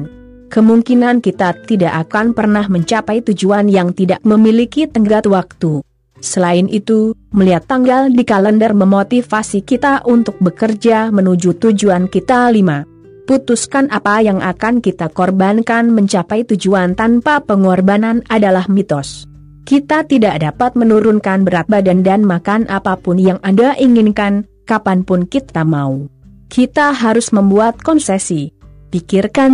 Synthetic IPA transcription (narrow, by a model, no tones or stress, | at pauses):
n | kəmuŋkinankit̪at̪idaʔakanpərnahməɲt͡ʃapajt̪ud͡ʒuanjaŋt̪idak̚məmilikit̪əŋɡat̪wak̚t̪u | səlaɪnʔit̪uməliɦat̪ːaŋɡaldikaləndərməmot̪ifasikit̪aʔunt̪ʊk̚bəkərd͡ʒamənud͡ʒut̪ud͡ʒuankit̪alima | put̪uskanʔapajaŋʔakankit̪akɔrbankanməɲt͡ʃapajt̪ud͡ʒuant̪anpapəŋɔrbananadalahmit̪ɔs | kit̪at̪idaʔdapat̪̚mənuɾʊnkanbəɾat̪̚badandanmakanʔapapʊnjaŋʔandaʔiŋɪnkan | kapanpʊnkit̪amau | kʰit̪aɦaɾʊsməmbuat̪̚kɔnsesipikɪrkan